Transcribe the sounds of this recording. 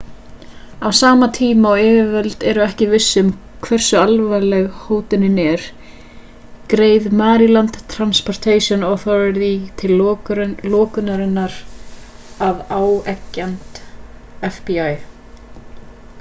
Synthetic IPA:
awsaːmat̪ʰiːmaɔɪːvɪvɛlt̪ɛɾʏɛhcɪvɪsːʏʏm | kʰvɛr̥sʏalvajlɛɣhoːwt̪ʏnɪnɛɾ̥ | kɾeːjðmaːɾilant̪t̪ʰːɾanspɔɾ̥t̪ʰejsjɔnɔθɔɾɪt̪it̪ʰɪlɾlɔːkʏnaɾɪnːaɾ | avaːwɛcːant̪ | ɛfpiaj

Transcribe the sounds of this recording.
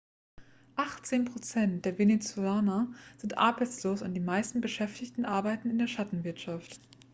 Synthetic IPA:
ʔaχtt͡seːnpʁ̥ot͡sɛntd̥eːɐvenet͡suaːnɐz̥ɪntʔa̰ɐbaɪt͡sloːsʊ̰nt̚d̥iːmaɪstn̩bəʃɛftɪçtn̩ʔaɐbaɪtn̩ɪndeːɐʃatn̩vɪɐtʃaft

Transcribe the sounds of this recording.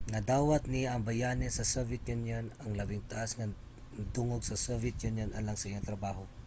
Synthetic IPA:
ŋɐd̪aːwat̪̚niɐŋbajanɛsɐsɛvɪt̪junjonaŋlabɪŋt̪aʔasŋa | d̪ʊŋoɡsɐsɛvɪt̪junjonʔalaŋsaʔijaŋt̪ɾɐbaːɦo

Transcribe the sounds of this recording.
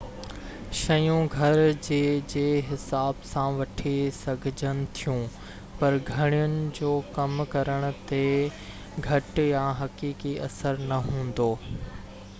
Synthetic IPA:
ʃɐjũɡʱɐɾd͡ʑeːd͡ʑeːɦɪsaːbsãʋɐʈʰesɐɡʱɪd͡ʑʱənɪ̆t̪ʰijũː | pɐɾɡʱɐɽ̃ijʊnɪ̆d͡ʑoːkɐmkɐɾəɽ̃ʊ̆t̪e | ɡʱɐʈjãɦɐkiːkiʔɐsəɾnɐɦũːn̆d̪oː

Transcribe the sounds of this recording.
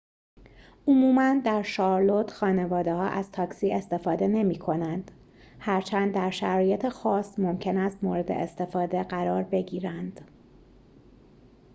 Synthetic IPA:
ʔomuːmænd̪æɾʃɒːɾlot̪ʰxɒːne̞vɒːd̪ehɒ̰ːʔæz̥t̪ʰɒːksiːe̞st̪e̞fɒːd̪e̞ne̞miːkʰo̞nænd̪̥ | hæɾt͡ʃʰænd̪ːæɾʃæɾɒːjet̪ʰexɒːst̪mo̞mcʰe̞næst̪moːɾe̞d̪e̞̰ʔest̪e̞fɒːd̪e̞ɢæɾɒːɾbe̞ɟiːɾænd̪̥

